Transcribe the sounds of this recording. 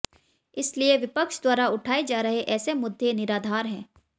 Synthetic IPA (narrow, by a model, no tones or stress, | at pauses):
ɪslieʋɪpəkʃd̪waːɾaʊʈʰaːed͡ʒaːɾɐɦeʔɛːsemʊd̪ʱːenɪɾaːd̪ʱaːɾɦɛ̃ː